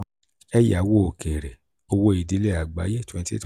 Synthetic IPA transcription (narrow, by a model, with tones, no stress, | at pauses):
ɛ˦ja˨˦wo˦o˨ke˨ɾe˨ | o˧wo˦i˨di˨˦le˦a˨ɡ͡ba˨˦je˦twɛ̃˧n˦tḭ˦t